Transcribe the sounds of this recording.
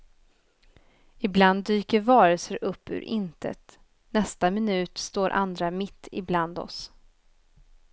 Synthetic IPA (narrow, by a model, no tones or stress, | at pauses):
ɪbland̪ːyːkəɾvɑːɾəlsəɾʔɵpːʉ̰ːɾʔɪ̰nt̪ʰə̰t̪ | nɛst̪amɪnʉ̟ːt̪st̪oːɾʔa̰nd̪ɾamɪt̪ʰːɪ̰bland̪ɔ̰s